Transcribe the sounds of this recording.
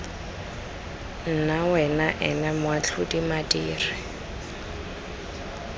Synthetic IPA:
n̩nawɛnaʔɛnamʊwat͡ɬʰʊdimadiːrɪ

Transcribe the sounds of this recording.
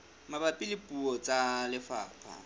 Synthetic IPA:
mabapʼɪlɪpʼuɔt͡sʼalɪfaːpʰʼa̰

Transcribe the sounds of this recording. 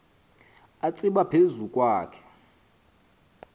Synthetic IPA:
at͡sʼiɓapʰezukʼwaːkʰɛ̥

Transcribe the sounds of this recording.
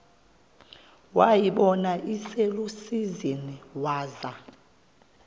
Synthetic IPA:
wajiɓɔnaʔiselusiziniwaːza

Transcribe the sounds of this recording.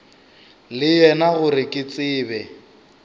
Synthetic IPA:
lɪjɛnaɣʊɾɪkʼɪt͡sʼɪːbɛ

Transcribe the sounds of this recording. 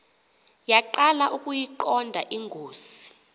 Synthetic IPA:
jaǃalaʔukʼujiǃɔndʱaʔiŋɡʱoːsi̥

